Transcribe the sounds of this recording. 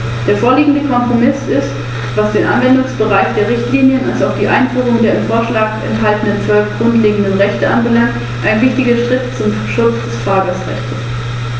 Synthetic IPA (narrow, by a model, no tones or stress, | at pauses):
d̥eːɐfoːɐliːɡŋ̩dəkʰɔmpʁ̥omɪsɪst | v̥asd̥eːnʔanvɛndʊŋsb̥əʁaɪçd̥eːɐʁ̞ɪçtliːnjənalsaʊχd̥iːʔa̰ɪnfyːʁ̞ʊŋdeːɐɪmfoːɐʃlaːkɛ̰ntɦaltən̩dənfœlkɡ̥ʁʊntleːɡŋ̩dənʁɛçtəʔanbəlaŋt | ʔaɪnvɪçtɪɡɐʃʁ̥ɪtt͡sʊm | ʃʊt͡sd̥ɛsfʁ̥aːɡɐsʁɛ̰çtəs